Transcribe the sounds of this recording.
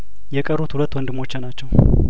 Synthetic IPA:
jɛkʼəɾut̪hulət̪ːwɔnd̪ɨmːo̞t͡ʃːɪnat͡ʃːɛw

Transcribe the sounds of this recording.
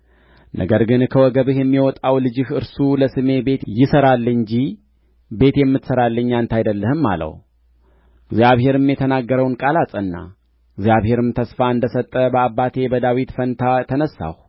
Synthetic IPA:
nʔə̰ɡəɾɡɨnkʰəwɔɡəβɨɦjɛmːiwɔt̪ʼawlɨd͡ʒɪhɨɾsuləsɨme̞be̞t̪jɪsəɾalːɨɲd͡ʒi | be̞t̪jɛmːɨt̪səɾalːəɲːant̪ʰajd̪əlːəhɨmːa̰lə̰w | ɡzjaβhe̞ɾɨmjɛt̪ʰənaɡːəɾəwnkʼalasʼənːa̰ | ɡzjaβhe̞ɾɨmt̪ʰəsfaɨnd̪əsət̪ʼːəbəabːat̪ʰe̞bəd̪awit̪fənt̪ʰat̪ʰənəsːa̰h

